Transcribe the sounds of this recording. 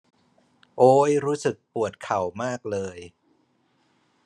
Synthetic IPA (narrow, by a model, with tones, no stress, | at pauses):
ʔoː˦˥jɾuː˦˥sɯ˨˩k̚pu˨˩ət̪̚kʰa˨˩wmaː˥˩k̚lɤː˧j